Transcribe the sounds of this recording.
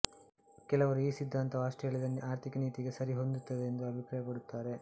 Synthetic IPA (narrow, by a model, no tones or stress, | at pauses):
kɛlɐʋɐɾuiːsid̪ʱːaːnt̪ɐʋɐʂʈeɦeːɭid̪ɐnaːɾt̪ʰikɐniːt̪iɡe̞sɐɾiɦo̞nd̪ut̪ːɐd̪eːnd̪uɐbʱipɾaːjɐpɐɽut̪ːaːɾe̞